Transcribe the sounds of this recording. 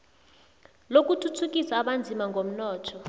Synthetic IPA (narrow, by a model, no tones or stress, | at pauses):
lok̬utʰutʰuk̬isaːɓand͡zʱimaŋɡʱom̩nɔːtʰɔ